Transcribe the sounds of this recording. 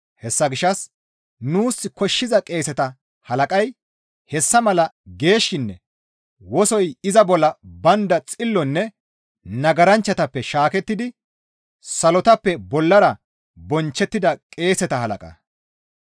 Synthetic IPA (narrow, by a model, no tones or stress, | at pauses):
hɛsːɐɡɪʃɐs | nuːsːɪkɔʃːɪzɐkʼe̞ːsɛt̪ɐ | hɐlɐkʼɐj | hɛsːɐmɐlɐ | ɡe̞ːʃːɪnːɛ | wɔsɔjɪzɐbɔlːɐbɐnd̪ɐt͡sʼɪlːɔnːɛ | nɐɡɐɾɐnt͡ʃːɐt̪ɐpːɛʃaːkɛt̪ːɪd̪ɪ | sɐlɔt̪ɐpːɛbɔlːɐɾɐ | bɔnt͡ʃːɛt̪ːɪd̪ɐkʼe̞ːsɛt̪ɐɦɐlɐ̰kʼɐ̰